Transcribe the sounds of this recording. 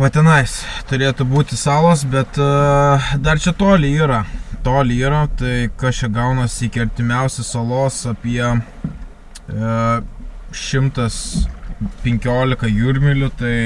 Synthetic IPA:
ʋɐt̪ʲɛnɐɪst̪ʊɾʲeːt̪ʊbuːt̪ʲɪsɑːlˠoːsbʲɛt̪ | d̪ɐrt͡ʃʲɛt̪oːlʲɪiːɾɐt̪oːlʲiːɾɐt̪ɐɪkɐst͡ʃʲɛɡɐʊnɐsʲɪkʲɪɐɾʲt̪ʲɪmʲɛʊsʲɛsɐlˠoːsɐpʲiɛ | ʃʲɪmt̪ɐs | pʲɛŋʲkʲoːlʲɪkɐjuːɾʲmʲɪlʲʊt̪ɐɪ

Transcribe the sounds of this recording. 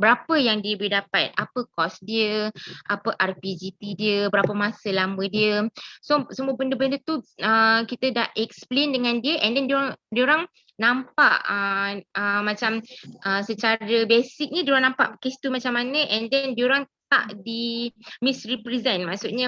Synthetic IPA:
bəɾapəjaŋdiəbidapat̪̚apəkɔsdiəʔapəʔarpid͡ʒit̪idiəbəɾapəmasəlamədiəsosəmuəbəndəbəndət̪uəkit̪ədaʔʔɛksplendəŋãndiəʔɛndɛndioɾaŋdioɾaŋ | nãmpaʔəəmãt͡ʃamʔəsət͡ʃaɾəbesik̚ɲədioɾaŋnãmpa̰ʔkest̪umat͡ʃamːanə̃ʔɛndɛndioɾaŋt̪a̰ʔdimisripɾizɛnmaʔsuʔɲə

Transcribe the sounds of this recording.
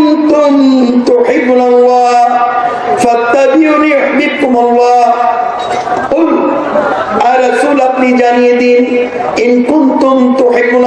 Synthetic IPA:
nt̪ʊmt̪ʊħɪbːnalˤːɑːh | fat̪ːabɪʕniʊħbɪbkʊmɑlˤːɑːh | qʊl | ʕalasʊlat̪lɪd͡ʒaniːd̪ɪ | ʔɪnkʊnt̪ʊmt̪ʊħɪbːʊn

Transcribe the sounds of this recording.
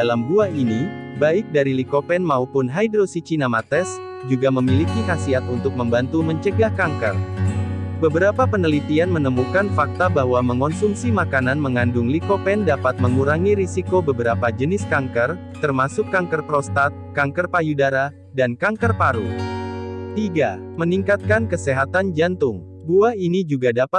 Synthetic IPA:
dalambuainibaɪk̚daɾilikopɛnmaupʊnɦajdɾosit͡ʃinamat̪ɛs | d͡ʒuɡaməmilikikasiat̪unt̪ʊk̚məmbant̪uməɲt͡ʃəɡahkaŋkər | bəbəɾapapənəlit̪ianmənəmukanfak̚t̪abaɦwaməŋɔnsumsimakananməŋandʊŋlikopɛndapat̪̚məŋuɾaŋiɾisikobəbəɾapad͡ʒənɪskaŋkər | t̪ərmasʊkːaŋkərpɾɔst̪at̪̚kaŋkərpajudaɾa | dankaŋkərpaɾu | t̪iɡaməniŋkat̪̚kankəseɦat̪and͡ʒant̪ʊŋ | buainid͡ʒuɡadapa

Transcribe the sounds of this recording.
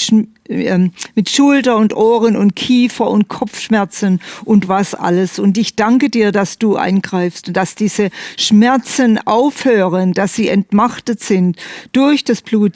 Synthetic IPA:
mɪtʃʊltɐʊntʔoːʁənʊnt̚kʰiːfɐʊnt̚kʰɔp͡fʃmɛɐt͡sənʔʊntv̥asʔa̰ləsʊntɪçd̥aŋkədiːɐdasd̥uːʔa̰ɪnɡʁaɪfstʊnd̥asd̥iːz̥əʃmɛɐt͡sənʔaʊfhøːʁənd̥asz̥iːɛntmaχtətz̥ɪntd̥ʊɐçd̥asb̥luːt

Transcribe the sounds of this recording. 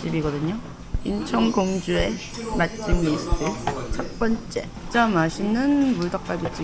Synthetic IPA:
t͡ɕ͈ibiɡʌdɯɲo | int͡ɕʰʌŋɡoŋd͡ʑue̞ | mat̚t͡ɕ͈ɯmisʰɯ̥tʰɯt͡ɕʰʌt̚p͈ʌnt͡ɕ͈e̞̰ | t͡ɕ͈amaɕʰinɯnmuɭdʌk̚k͈abit͡ɕ͈i

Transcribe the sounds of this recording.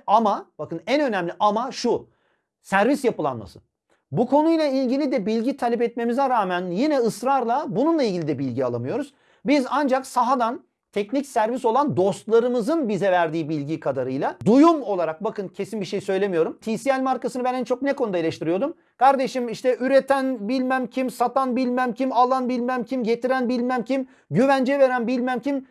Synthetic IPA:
amabakɯnænø̞næmlʲiʔamaʃu | sæɾvisjapɯlˠa̰nma̰sɯ̰ | bukʰo̞nujlˠailʲɟilʲid̪ɛbilʲɟit̪ʰalʲɛpɛt̪̚me̞mizɛɾaːmænjinɛɯsɾaɾlˠabununlˠailʲɟilʲid̪ɛbilʲɟia̰lˠamɯjo̞ɾuz̥ | bizand͡ʒaksaɦad̪an | t̪ʰɛcnicsæɾvis̬o̞lˠand̪o̞st̪lˠaɾɯmɯzɯnbizɛvæɾd̪iːbilʲɟikʰad̪aɾɯjlˠad̪ujumo̞lˠaɾak̚bakɯncʰe̞sinbiɾʃejsø̞jlʲemijo̞ɾumt̪ʰiːsijælʲmaɾkasɯnɯbænɛnt͡ʃʰo̞k̚nɛkʰonud̪aelʲeʃt̪ʰiɾijo̞d̪um | kʰaɾd̪eʃimiʃt̪ɛʔyɾet̪ʰænbilʲmæmcʰimsat̪ʰanbilʲmæmcʰimalˠanbilʲmæmcʰimɟet̪ʰiɾænbilʲmæmcʰim | ɟyvænd͡ʒɛve̞ɾænbilʲmæmcʰim

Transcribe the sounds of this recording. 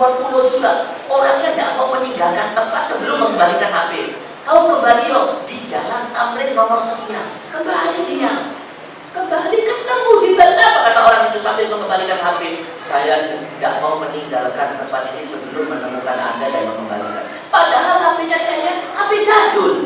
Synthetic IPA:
apulod͡ʒuɡa | oɾaŋɲadaʔmauməɲiŋɡalkant̪əmpat̪̚səbəlʊmːəŋɡəbalikanɦapɪ | kalokəmbalilodid͡ʒalanamlɪt̪̚mamaŋsəŋiɲa̰ | kəmbaliija | kəmbalikət̪əmudibəaakanaoɾaŋint̪usambɪlməŋɡəmbalikanɦapɪ | sajanda̰ʔmauməniŋɡalkant̪əmpat̪inisəbəlʊmmənəmukana̰bajaməŋɡəmba̰lḭka̰n | padaɦalɦapiɲasajajahapɪd͡ʒadʊl

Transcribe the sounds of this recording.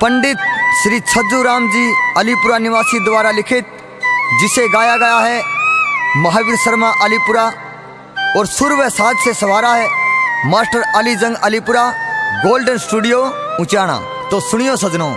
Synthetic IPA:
pɐ̃ɳɖɪt̪̚ʃɾiːt͡ʃʰɐd̪ɾuɾaːmd͡ʒiːɐlipʊɾanɪʋaːsid̪ʊʋaːɾalɪkʰɪt̪̚ | d͡ʒɪseɡaːjaɡɐjaɦɛ | mɐɦaːʋɪɾsɐɾmaʔɐlipʊɾa | ɔːɾsʊɾʋesaːd̪sesɐʋaːɾaɦɛmaːsʈəɾɐlid͡ʒɐ̃ŋɡɐlipʊɾaɡoːlɖənsʈuːɖijo | ʊ̃t͡ʃaːɽ̃a̰ː | t̪oːsʊɽ̃ijosɐd͡ʒnoː

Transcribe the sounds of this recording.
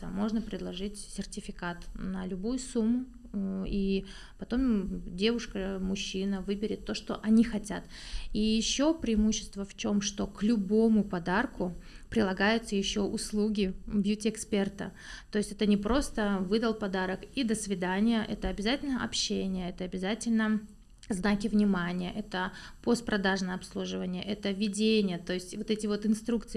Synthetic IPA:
əmo̞ʐnəpɾʲɪd̪lˠɐʐɨtʲsʲɪrtʲɪfʲɪkat̪nəlʲʊbujʊsumːʊ | i | pɐt̪o̞mdʲe̞vʊʂkəmʊɕːinəvɨbʲɪɾʲɪt̪ːo̞ʂt̪o̞̰ʔɐnʲixɐtʲat̪ijɪɕːo̞pɾʲɪɪmuɕːɪst̪vəft͡ɕo̞mʂt̪o̞klʲʊbo̞mʊpɐd̪arkʊpɾʲɪlˠɐɡajʊt̪səjɪɕːo̞ʔʊslˠuɡʲɪbʲjutʲɪɛkspʲe̞rt̪ə̰ | t̪o̞jɪsʲtʲɛt̪ənʲɪpɾo̞st̪əvɨd̪əlˠpɐd̪aɾəkid̪əsvʲɪd̪anʲɪjəʔɛt̪əɐbʲɪzatʲɪlʲnəʔɐpɕːenʲɪjəɛt̪əɐbʲɪzatʲɪlʲnə | znakʲɪvnʲɪmanʲɪjə̰ʔɛt̪ə | po̞st̪̚pɾɐd̪aʐnəjəɐpslˠuʐɨvənʲɪjəʔɛt̪əvʲɪdʲenʲɪjət̪o̞ɪsʲtʲvot̪ɛtʲɪvo̞t̪ɨnst̪ɾukt̪sɨ

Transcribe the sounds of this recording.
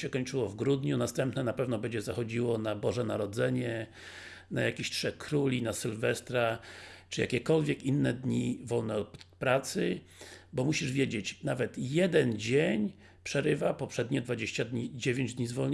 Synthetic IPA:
ɛkɔɲt͡ʂɘwɔvɡɾud̪ɲunast̪ɛmpnɛnapɛvnɔbɛɲd͡ʑɛzaxɔd͡ʑiwɔnabɔʐɛnaɾɔd̪zɛɲɛ | najakʲiɕtʂɛxkɾulʲinasɘlvɛst̪ɾat͡ʂɨja̰kʲɛkɔlvʲjɛkinːɛd̪ɲivɔlnɛpɾat̪sɘ | bɔmuɕiʐvʲjed͡ʑet͡ɕnavɛt̪jɛd̪ɛnd͡ʑeɲ | pʂɛɾɘvapɔpʂɛd̪ɲɛd̪vad͡ʑeɕt͡ɕad̪ɲid͡ʑevʲjeɲd͡ʑd̪ʲɲizvɔlɲ

